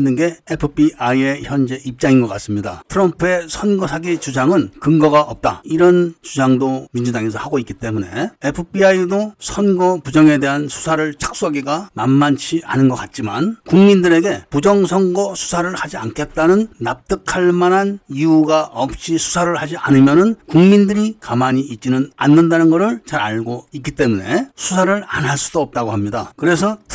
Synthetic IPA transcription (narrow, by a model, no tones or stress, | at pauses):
nːɯnɡe̞epʰɯpʰiaie̞çjʌnd͡ʑe̞ʔip̚t͡ɕ͈aŋinɡʌk͈as͈ɯmɲida̰tʰɯɾʌmpʰue̞sʰʌnɡʌsʰaɡet͡ɕud͡ʑaŋɯnkɯŋɡʌɡaʔʌp̚t͈a̰iɾʌnt͡ɕud͡ʑaŋdomind͡ʑudaŋe̞sʰʌhaɡoik͈it͈e̞mune̞̰epʰɯpʰiaidosʰʌnɡʌpud͡ʑʌŋe̞de̞ɦansʰu̥sʰaɾɯɭt͡ɕʰḁk̚s͈ʌɡiɡanamːant͡ɕʰiʔa̰nɯnɡʌk͈at̚t͡ɕ͈ima̰nkuŋmindɯɾe̞ɡe̞pud͡ʑʌŋsʰʌnɡʌsʰu̥sʰaɾɯɭhad͡ʑiankʰe̞t̚t͈anɯnːap̚t͈ɯkʰaɭmanɦaniuɡaʔʌp̚ɕ͈isʰu̥sʰaɾɯɭhad͡ʑiʔa̰nɯmjʌnɯnkuŋmindɯɾikamaɲiit̚t͡ɕ͈inɯna̰nːɯndanɯnɡʌɾɯɭt͡ɕaɾaɭɡoik͈it͈e̞mune̞sʰusʰaɾɯɭa̰nɦaɭs͈udoʌp̚t͈aɡohamɲidakɯɾe̞sʰʌ